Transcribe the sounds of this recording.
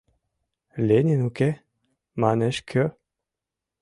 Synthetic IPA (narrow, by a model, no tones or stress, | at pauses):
lʲenʲinuke | manɛʃkʰə